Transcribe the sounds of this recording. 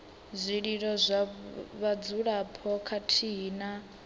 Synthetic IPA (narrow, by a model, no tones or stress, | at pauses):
zʷiɺiɺɔzʷaβad͡zuɺapʰɔkʰatʰiːna